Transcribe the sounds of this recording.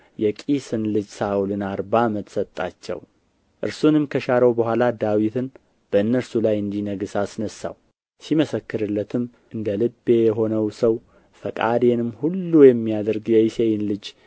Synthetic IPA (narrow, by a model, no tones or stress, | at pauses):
jɛkʼisɨnlɨd͡ʒsaulɨnaɾbamət̪sət̪ʼːa̰t͡ʃːɛ̰w | ʔɨɾsunɨmkʰəʃaɾəwbəhʷalad̪awit̪ʰɨn | b̥əɨnːəɾsulajɨnd̪inəɡɨsasnəsːa̰w | siməsəkːɨɾɨlːət̪ʰɨm | ʔɨnd̪əlɨbːe̞jɛɦo̞nəwsəw | fəkʼad̪enɨmhulːujɛmːijad̪əɾɡjɛisejɪnlɨd͡ʒ